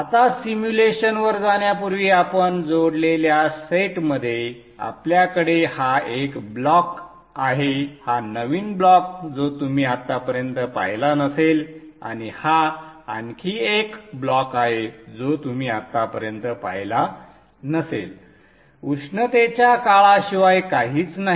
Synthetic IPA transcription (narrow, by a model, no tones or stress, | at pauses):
at̪asimjuleɕənʋəɾd͡zaɽ̃japuɾʋiːapənd͡zoɽleljaseʈməd̪ʱːje | a̰pljakəɽehaekblɔk | aɦehanəʋiːnblɔk̚d͡zot̪umiːat̪ːapəɾjənt̪əpa̰jlanəsel | a̰ɽ̃ihaaŋkʰiːekblɔkaɦed͡zot̪um̤iːat̪ːapəɾjənt̪əpa̰jla | nəsḛl | uʂɳət̪et͡ɕjakaɭaɕiʋajkaɦiːt͡snaɦ